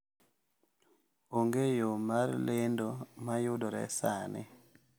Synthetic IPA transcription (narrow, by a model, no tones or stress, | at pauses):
oŋɡejomarlendomajʊdoɾɛ̰sanɪ̰